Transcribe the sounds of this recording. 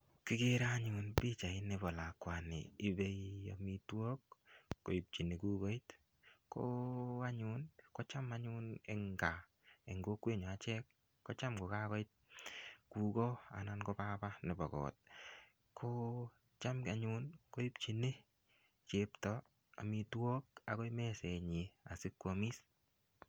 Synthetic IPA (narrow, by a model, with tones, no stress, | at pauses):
kɪ˦ke˦ɾaɲʊ˨npi˦t͡ʃa˨ɪ˦ne˨bɔ˨la˨kwa˨nɪ̰ː˨˦be˦io̰˨mi˦two˦kːo˨i˨p̚t͡ʃi˨ne˨ku˦kɔ˦i˦t | koa˦ɲu˦nko˦t͡ʃa˦maɲʊ˦neŋɡa˨ | e˨ŋɡo˦kwe˦ɲɔ˨a˨t͡ʃɛ˦kː | o˦t͡ʃa˦mko˨ka˦kɔ˦ɪt̚ku˨kɔ˦a̰˨na˦nko˧pa˦pa˦nɛ˨ba˨ɡɔ̰ː˨t̚ | kʰo˦ | t͡ʃa˦mka˨ɲu˦nko˦i˦pt͡ʃi˨ne˦ | t͡ʃe˦ptɔ | a̰˨mi˧two˦k̚a˨kɔ˦jmɛ˦se˨ɲi˨a̰˨sɪ˦kːwo˨mi˦s